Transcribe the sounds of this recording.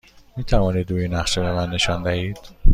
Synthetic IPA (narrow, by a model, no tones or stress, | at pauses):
miːt̪ʰævɒːniːd̪ɾuːjinːæxʃobemænːe̞ʃɒnd̪æhiːd̪̥